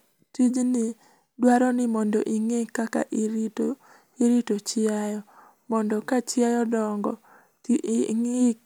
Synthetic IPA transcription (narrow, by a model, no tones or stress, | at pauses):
tid͡ʒnɪ | dwaɾɔnɪmɔndɔʔiŋekːaka̰ʔɾto | iɾitot͡ʃɪajɔ | mɔndɔkat͡ʃɪajɔdɔŋɡɔ̰ | tiʔŋɪk̚